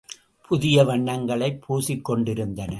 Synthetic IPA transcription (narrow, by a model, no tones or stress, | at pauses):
pʰʊðɪjɐʋɐɳːɐŋɡɐɭɐɪpʰːuːsɪkːɔɳɖɪɾɯnd̪ɐnɐ